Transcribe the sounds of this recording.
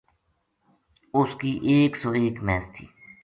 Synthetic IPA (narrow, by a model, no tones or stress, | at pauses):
ʊskiːʔeːksɔːeːkmɛːst̪ʰḭː